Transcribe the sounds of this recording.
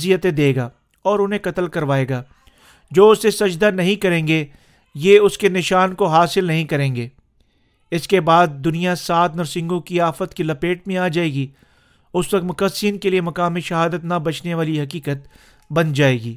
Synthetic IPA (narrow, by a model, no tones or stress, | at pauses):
zijət̪ẽd̪eːɡaː | ɔːɾʊnɦẽkɐt̪əlkɐɾʋaːeːɡaː | d͡ʒoːʊsesɐd͡ʒd̪anɐɦĩkɐɾẽːŋɡe | jeʊskenɪʃaːnkoɦaːsɪlnɐɦĩkɐɾẽːŋɡeː | ɪskebaːd̪̚ːʊnijasaːt̪nɐɾsɪ̃ŋɡõkiaːfət̪kilɐpeːʈ̚mẽaːd͡ʒaːeːɡi | ʊsʋɐkmʊkəsiːnkeliemɐkaːmiʃɐɦaːd̪ət̪nabɐt͡ʃneʋaːliɦɐkiːkət̪ | bɐnd͡ʒaːeːɡiː